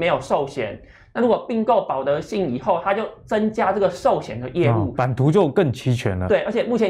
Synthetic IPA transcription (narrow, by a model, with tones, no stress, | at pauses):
me˧˥ɪjo˨˩ʊʂo˥˩ʊɕjɛ˨˦n | na˥˩ɻu˧˥kwɔ˨˩pi˥˧ŋko˥˩ʊpɑ˨˩ʊt̪ɤ˨˧˥ɕi˥˩ŋi˨˩xo˥˩ʊt̪ʰa˥t͡ɕjo˥˩ʊt͡sə˦˥ŋt͡ɕja˥ʈ͡ʂɤ˥˩ɡə˩ʂo˥˨˩ʊɕjɛ̰˨˩nd̪ə˦jɛ˥˧ṵ˥˨pa˨˩nt̪ʰu˨˥t͡ɕjo˥˧ʊkə˥˩ŋt͡ɕʰi˧˥t͡ɕʰɥɛ̰˧˥nlə̰˧t̪we˥˩ɪə˞˧˥t͡ɕʰjɛ˨˩mu˥˩t͡ɕʰjɛ˧˦